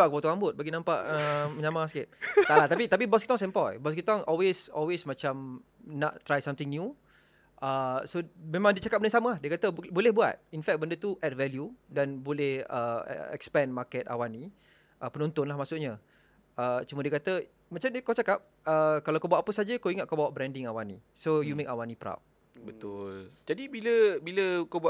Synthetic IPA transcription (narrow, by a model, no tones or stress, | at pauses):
aʔkbat̪uambʊt̪̚baɡinãmpaʔəməɲãmaskɪt̪̚t̪aʔllat̪apit̪ap̬ibɔskit̪ɔŋsɛmpɔjbɔskit̪ɔŋʔɔlwesɔlwesmat͡ʃam | na̰ʔt̪ɾajsamt̪ɪŋnju | ʔəsomẽmãŋdiət͡ʃakap̚bənsaməahdiəkat̪əbolɛhbua̰t̪̚infɛk̚bəndət̪uʔɛt̚vɛljudanbolɛhə̰ɛ̰kspɛ̃nmakɛt̪̚a̰wanĩ | ʔəpənɔ̃nt̪ʊnlahmasʊʔɲa | ʔət͡ʃumədiəkat̪ə | mat͡ʃaməkat͡ʃakap̚ | əkalawkabawaʔpəsad͡ʒəkowiŋat̪̚kabawaʔbɾɛ̃ndɪŋawanĩsojumekawanipɾa̰wt̚ | bət̪ʊld͡ʒadibiləbiləkobua